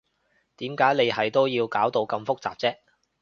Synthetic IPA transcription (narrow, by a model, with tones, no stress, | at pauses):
t̪iː˨˥mkaː˨˥jne˨˧jɦɐ˨jt̪o˥wjiː˧wkaː˨˥wt̪o˧wkɐ˧mfʊ˥k̚t͡saː˨p̚t͡sɛː˥